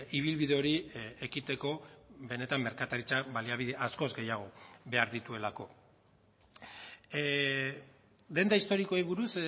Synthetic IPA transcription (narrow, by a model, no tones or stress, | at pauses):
iβ̞ilβiðe̞o̞ɾie̞kit̪e̞ko̞βe̞ne̞t̪amːe̞ɾkat̪aɾit͡saβaliaβiðeʔasko̞zɡe̞jaɣ̞o̞βe̞aɾðit̪ue̞lako̞ | d̪e̞nd̪aist̪o̞ɾiko̞iβuɾus